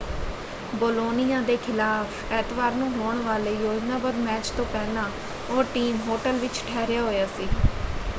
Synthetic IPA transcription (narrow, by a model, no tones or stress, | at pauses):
boːloːnɪjãːd̪eːkʰɪlaːpʰɛːt̪ʋaːɾnũːɦoːɳʋaːleːjoːd͡ʒnãːbəd̪mɛːt͡ʃt̪õːpɛːlãː | oːɾʈiːmɦoːʈəlʋɪt͡ʃʈʰɛːɾɪjaːɦoːjaːsiː